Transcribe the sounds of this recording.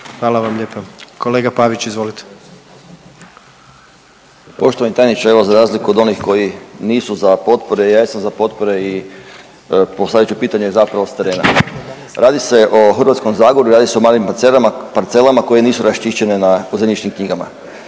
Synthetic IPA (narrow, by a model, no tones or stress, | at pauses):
xʋaːlˠaʋamʎeːpakʰoleːɡapaʋit͡ɕizʋolit̪e̥ | po̞ʃt̪oʋanɲt̪ajnit͡ʃae̞ʋozaɾaːzlikuod̪o̞nixko̞jiniːsuzapo̞t̪̚po̞ɾejaːjesamzapo̞t̪po̞ɾe̞i | posadjt͡ʃupiːt̪aɲezapɾaʋo̞st̪e̞ɾe̞ːna̰ | ɾaːd̪ise̞ʔo̞xɾr̩ʋat̪sko̞mzaːɡoɾuɾaːd̪ise̞o̞maːlimpat̪selaapaɾt̪se̞lamako̞je̞niːsuɾaʃt̪iʃt͡ɕe̞nenauzemɲit͡ʃnimkɲiɡama̰